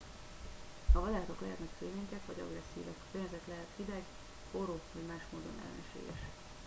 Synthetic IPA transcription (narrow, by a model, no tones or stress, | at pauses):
hɒvɒd̪aːt̪o̞klɛɦɛt̪nɛkfeːmeːɲkɛkvɒɟɒ̰ɡrɛsːḭːvɛkpøɲːɛzɛt̪lɛɦɛt̪hid̪ɛɡ | boɾoːvɒɟmaːʃmoːd̪o̞nɛ̰lɛ̰nɛʃḛːɡɛ̰ʃ